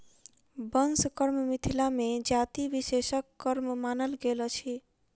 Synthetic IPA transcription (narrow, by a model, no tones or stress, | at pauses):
bənskəɾmmit̪ʰilamẽd͡ʒat̪iʋiʃeʃəkːəɾmmaːnəlɡelt͡ʃʰi